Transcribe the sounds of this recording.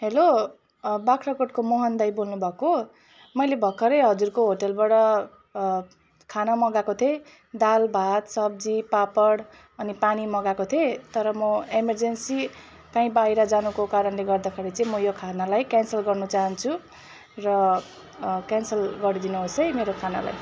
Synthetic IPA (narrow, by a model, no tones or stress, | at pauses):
ɦelo | bakʰɾʌkoʈ̚komoɦʌnd̪ajbolnubʱʌko | mʌjlebʱʌkʰːʌɾeɦʌd͡zurkoɦoʈʌlbaɽʌ | kʰanamʌɡakot̪ʰe | d̪albʱat̪sʌb̚d͡zipapʌɽ | ʌnipanimʌɡakot̪ʰet̪ʌɾʌmʌemʌrd͡zensi | kaĩbaiɾad͡zanukokaɾʌnleɡʌrd̪akʰeɾit͡saĩmʌjokʰanalajkansʌlɡʌrnʌt͡saɦʌnt͡sʰu | rʌ | kansʌlɡʌɾid̪inuɦosʌjmeɾokʰana̰la̰j